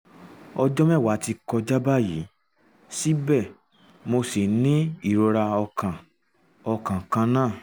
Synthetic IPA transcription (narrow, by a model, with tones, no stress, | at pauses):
ɔ˧d͡ʒɔ˦mɛ̃˦˨wa˨˦ti˧kɔ˧d͡ʒa˦ba˦˨ji˨˦ | si˦bɛ˦˨ | mo˧si˨nĩ˦i˦˨ɾo˧ɾa˧ɔ˧kã˨ | ɔ˧kã˨kã˧nãː˦˨